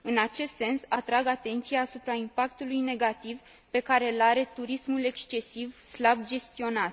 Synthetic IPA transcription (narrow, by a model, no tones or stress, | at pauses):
ɨnat͡ʃe̞st̪se̞nsat̪ɾaɡat̪e̞nt̪sijaːsupɾaimpak̚t̪ulujne̞ɡat̪iv | pe̞kaɾe̞laɾe̞t̪uɾismule̞kst͡ʃe̞sivslab̚d͡ʒe̞st̪io̞nat̪